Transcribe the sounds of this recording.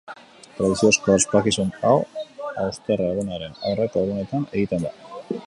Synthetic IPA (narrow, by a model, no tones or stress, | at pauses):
t̪ɾaðisioskoaspakisunawawst̪ereɣunaɾe̞nawrek̪oɣune̞t̪ane̞ɣit̪e̞nd̪a